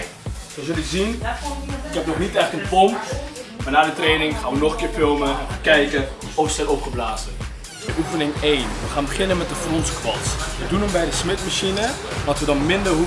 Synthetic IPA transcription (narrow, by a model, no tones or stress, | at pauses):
səzɵləzin | ɪkɦɛp̚nɔχnitɛχtənpɔntmaːnaːdətrejnɪŋχaːnʋənɔχəkɪːɹfɪlˠməəkɛjkə | owstɛlɔpχəblaːzə | əʔufənɪŋejnʋəχaːnbəχɪnənmɛt̚dəfrɔntskʋɔsʋədunəmbɛjdəsmɪtmaʃinə | mɔtʋədɑnmɪndərɦu